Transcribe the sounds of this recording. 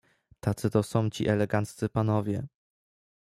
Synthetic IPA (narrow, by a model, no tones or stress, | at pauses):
t̪at̪sɘt̪ɔsɔ̃w̃t͡ɕḭʔɛlɛɡant̪ssɘpanɔvʲjɛ